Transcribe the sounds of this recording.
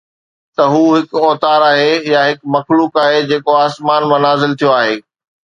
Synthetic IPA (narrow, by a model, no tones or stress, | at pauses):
t̪ɐɦuːɦɪkɔːt̪aːɾaːɦejaɦɪkmɐxluːkaːɦed͡ʑeːkoaːsmaːnmɐ̃naːzɪlt̪ʰijoaːɦeː